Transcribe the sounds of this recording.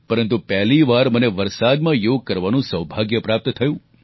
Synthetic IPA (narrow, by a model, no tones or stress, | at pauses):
pəɾənt̪upɛɦliʋaɾməneʋəɾsad̪mãjoɡ̚kəɾʋanũsəʋbʱaɡjəpɾap̚t̪t̪ʰəjũ